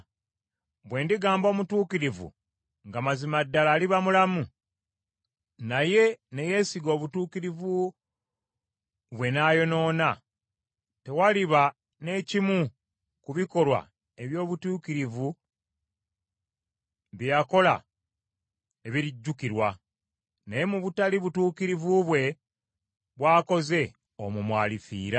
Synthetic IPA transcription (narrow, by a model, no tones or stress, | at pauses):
βwe̞ːndiɡaːmbo̞ːmutuːkiɾivṵ | ŋɡamazimadːalaːliβamulamu | naje̞ne̞je̞ːsiɡo̞ːβutuːkiɾivu | βwe̞naːjo̞no̞ːna | te̞waliβa | ne̞ːcimu | kuβiko̞lwa̰ | e̞βjo̞ːβutuːkiɾivu | βjako̞la̰ | e̞βiɾiɟːukiɾwa | naje̞muβutaliβutuːkiɾivuβwe̞ | βwaːko̞ze̞ | omumwaːlifḭːɾa